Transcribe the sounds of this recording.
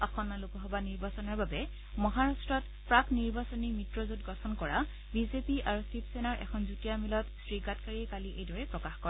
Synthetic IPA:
ɔxɔnːalukɔɦɔbaniɹbasɔnaɹbabɛ | mɔɦaɹastɹɔt | pɹakniɹbasɔnimitɹɔzutɡɔtʰɔnkɔɹa | bizepiʔaɹusipsɛnaɹʔɛ̰kʰɔnzutijamilɔtsɹiɡatkaɹiɛkaliʔejdɔɹɛpɹɔkaxkɔ

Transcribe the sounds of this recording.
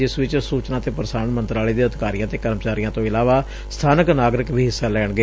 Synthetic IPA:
ɪsʋɪt͡ʃsuːt͡ʃnãːt̪eːpɾsaːnmə̃nt̪ɾaːleːd̪eːəd̪ɪkaːɾijãːt̪eːkəɾmət͡ʃaːɾijãːt̪õːɪlaːʋaː | st̪ʰaːnəknaːɡɾɪkbʱiːɦɪsːaːlɛːɳɡəeː

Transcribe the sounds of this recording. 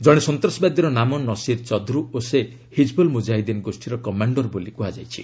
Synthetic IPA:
d͡ʒɔɽ̃esɔnt̪ɾɔsɔbad̪ɔɾɔnamɔnɔsiɾt͡ʃɔd̪ʱɾuose | hid͡ʒbɔlmud͡ʒajd̪enɡosʈʰiɾɔkɔmaɳɖɔɾbolikuɦad͡ʒajt͡ʃʰḭ

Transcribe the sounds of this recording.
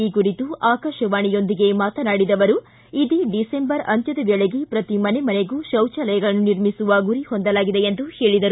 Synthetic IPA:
ikuɾit̪uʔaːkɐʃɐʋaːɳijo̞nd̪iɡe̞maːt̪ɐnaːɽid̪ɐʋɐɾu | id̪iɖisembɐɾɐnt̪jɐd̪ɐʋɐɭeɡipɾɐt̪imɐnemɐneɡuʃɐwt͡ʃɐlɐjɐɡɐɭɐnːuniɾmisuʋɐɡuɾihond̪ɐlaːɡid̪e̞end̪uhe̞ːɭid̪ɐɾu

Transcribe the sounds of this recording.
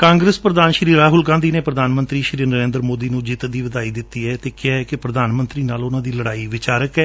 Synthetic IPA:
kãːŋɡɾəspɾəd̪aːnʃɾiːɾaːɦʊlɡãːnd̪iːneːpɾəd̪ʱaːnmə̃nt̪ɾiːʃɾiːnəɾẽːnd̪ɾmoːd̪iːnũːd͡ʒɪt̪d̪iːʋəd̪aːiːd̪ɪt̪ːiːɛːt̪eːkɪaɛkɪpɾəd̪ʱaːnmənt̪ɾiːnaːlʊnãːd̪iːləɽaːiʋɪt͡ʃaːɾəkɛː

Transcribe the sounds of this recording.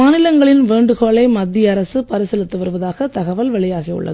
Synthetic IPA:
aːnɪlɐŋɡɐɭɪnʋeːɳɖɯɣoːɭɐɪmɐd̪ːɪjɐɾɐsɯpɐɾɯsɛlɯt̪ːɯʋɐɾɯʋɐðaːɣɐt̪ɐɣɐʋɐlʋɛɭɐjaːɣijʊ̰ɭːɐ̰ðɯ

